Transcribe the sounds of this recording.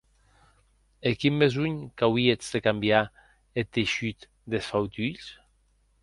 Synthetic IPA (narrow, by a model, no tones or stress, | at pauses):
ekimːezuɲkawiet͡sðekambja | et̪eʃyt̪ | d̪esfawt̪yʎs